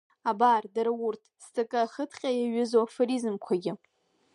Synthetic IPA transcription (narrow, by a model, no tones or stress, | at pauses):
abardaɾawʊrtʰstʰʼakʼɨaχətʰqʲʼajaɥɪzoafoɾizɨmkʷʰaɡʲɪ